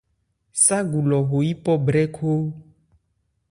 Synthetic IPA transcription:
sa˦ɡu˨lɔ˨ɣo˨ji˦pɔ˦bɾɛ˦kʰo˦

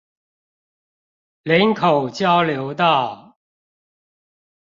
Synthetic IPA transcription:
lə˧˥nkʰo˨˩ʊt͡ɕjɑ˦ʊljo˨˧˥ʊt̪ɑ˥˩ʊ

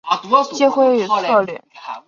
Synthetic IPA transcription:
t͡ɕɛ˥xwe˥ɪy˨˩t͡sʰɤ˥˧ljɛ̰˥˩

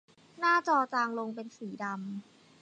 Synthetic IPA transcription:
naː˥˩t͡ɕɔː˧t͡ɕaː˧ŋlo˧ŋpe˧nsiː˩˦da˧m

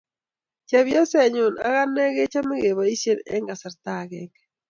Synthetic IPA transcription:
t͡ʃɛ˨βjɔ˦se˨ɲu˨na̰˨˦ɣa˦nɛ˦ɣe˦t͡ʃa˦mɪ˦ɣe˨βa˨i˦se˦nɛ̰˦ŋɡa˨sa˨ɾtaɣɛkɛ̥

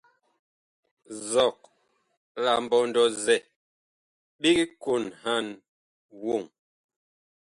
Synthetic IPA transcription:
zɔ˨k̚ | la˨m̩˨bɔ˦ndɔ˦zɛ˨ | ɓi˦ɡi˦ku˦˨nha˦˨n | wo˦˨ŋ

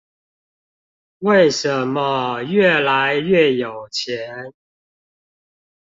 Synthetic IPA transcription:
we˥˩ɪʂə˨˦nmə˦ɥɛ˥˩la˨˦ɪɥɛ˥˨˩jo˨˩ʊt͡ɕʰjɛ˨˦n

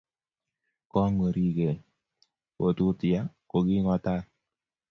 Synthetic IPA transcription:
kɔ˦ŋo˨ɾi˦ɡe˨ | o˨tu˦tɪ˨a˦ko˨ɡɪ˦ŋɔ˦ta˦

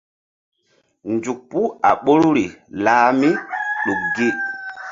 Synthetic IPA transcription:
nd͡ʒu˨k̚pu˦a̰˨ɓo˦ɾu˦ɾi˨laː˦mi˦ɗo˨k̚ɡe˦

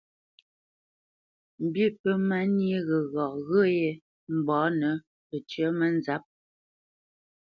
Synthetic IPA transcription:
m̩˨bi˦˨pə˦ma˦nje˦ɣə˨ɣɔ˨ɣə˦je˨ | m̩˨bɔː˨˦nə˨˦ | pə˨t͡ʃɥə˨˦mə˦n˦za˨˦p̚

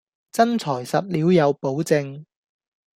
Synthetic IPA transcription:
t͡sɐ˥nt͡sʰɔː˨˩jsɐ˨p̚liː˨˥wjɐ˨˧wpo˨˥wt͡sɪ˧ŋ

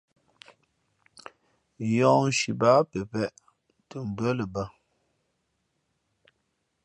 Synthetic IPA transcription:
jɔ̃˨ʃi˨ba˨˦pe˨pɛ˦˨ʔ | tə˨m̩˨bɰə˦lə˨ba˦

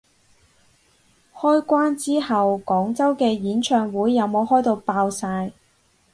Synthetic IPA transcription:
hɔː˥jkʷaː˥nt͡siː˥hɐ˨wkɔː˨˥ŋt͡sɐ˥wkɛː˧jiː˨˥nt͡ʃʰœː˧ŋwuː˨˥jːɐ˨˧wmo˨˧whɔː˥jt̪o˧wpaː˧wsaː˧j

